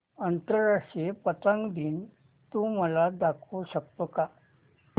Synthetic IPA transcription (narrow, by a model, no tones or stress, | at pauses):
ənt̪əɾːaʂʈɾiepət̪ə̃ŋɡd̪iːn | t̪ũməlad̪akʰuɕək̚t̪oka